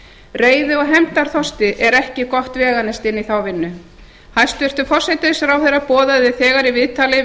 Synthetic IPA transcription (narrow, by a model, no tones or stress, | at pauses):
reːjðɪɔɣɦɛmt̪aɾ̥θɔst̪ɪʔɛɾɛhcɪkɔht̪vɛːɣanɪst̪ɪnːiθawvɪnːʏ | hajst̪vʏr̥t̪ʏfɔr̥sɛjt̪ɪsɾawθejrapɔːðaðɪθɛːɣaɾivɪðt̪ʰalɪ